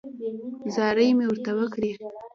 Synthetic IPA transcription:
zɑɾəjmewəɾt̪awəkɽi

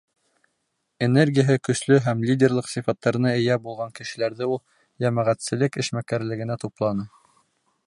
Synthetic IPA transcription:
enerɡʲijəɦɘkɵ̆slɵɦæmlʲidʲerlˠɤqsifɑt̪ːɑɾɤnɤɘ̆jæbulˠʁɑŋkɘ̆ʃɘ̆læɾðɘulˠ | jæmæʁæt̪sɘ̆lɘkɘ̆ʃmækæɾlɘ̆ɡɘ̆næt̪uplˠɑnɤ

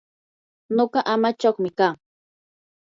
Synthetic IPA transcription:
noɢɑʔamat͡ʃaχmɪkaː

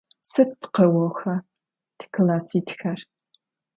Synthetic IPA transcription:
sɨt̚pʰqɐwɐxɐ | tʰɨ̥kʰɨlaːsiːtxɐr

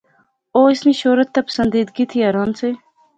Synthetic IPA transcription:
oːismiʃoːɾɐt̪ːapə̥sɐnd̪iːd̪̚ɡit̪ʰiɐɾɑːnt͡sʰe

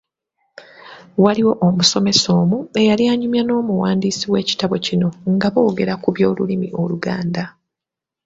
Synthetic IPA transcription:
waliwo̞ʔomuso̞me̞so̞ːmue̞jaliaːɲumjano̞ːmuwaːndiːsiwe̞ːci̥taβo̞cino̞ŋɡaβo̞ːɡe̞ɾakuβjo̞ːlulimiʔo̞luɡaːnda

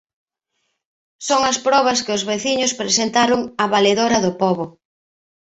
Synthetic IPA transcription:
soŋɐspɾɔβɐskɪʊzβeθiɲʊspɾesent̪aɾʊŋɐβaleðoɾɐðʊpɔβʊ

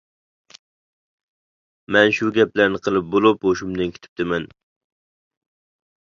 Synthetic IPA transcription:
mɛnʃuɡʲɛplæɾnɪqʰəlˠɪp̚bolˠʊpoʃumd̪ɨnkʲʰɪ̥t̪ʰɪ̥p̚t̪ɪmɛn

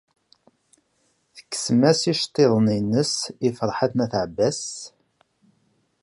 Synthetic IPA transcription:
θə̥kːə̥smæsiʃt̪ˤːeðˤəninːəsifəɾˤħaθnæθʕəbːæs

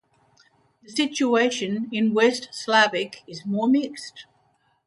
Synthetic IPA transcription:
ðəsɪt͡ʃueɪʃə̃nɪ̃nwɛstslavɪkʰɪzmɔːmɪkst

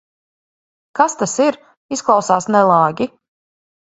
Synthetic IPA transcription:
kast̪asiɾ | isklˠɑwsaːsnɛlˠaːɡʲi

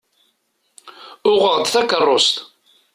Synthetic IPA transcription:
ʊʁəʁd̪θækːərˤːost̪

